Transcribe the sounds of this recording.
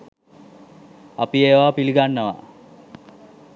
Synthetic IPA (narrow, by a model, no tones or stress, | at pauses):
ɐpieːʋaːpiliɡanːəʋa̰